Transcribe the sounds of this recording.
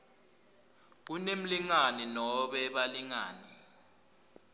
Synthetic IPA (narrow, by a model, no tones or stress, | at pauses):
k̬unem̩liŋaninɔɓɛɓaliŋa̰ːni